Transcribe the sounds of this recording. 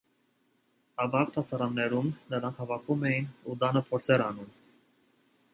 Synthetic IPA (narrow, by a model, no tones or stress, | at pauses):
ɑvɑk̚t̪ʰɑsɑɾɑnːɛɾumnəɾɑŋkʰhɑvɑkʰumɛjinud̪ɑnəpʰɔɾt͡sʰɛɾɑnum